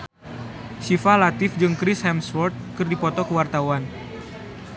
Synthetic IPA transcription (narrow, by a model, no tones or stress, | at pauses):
sifalat̪ɪfd͡ʒɨŋkɾɪshɛmsfɔrt̪̚kɨrdipɔt̪ɔkəwart̪awan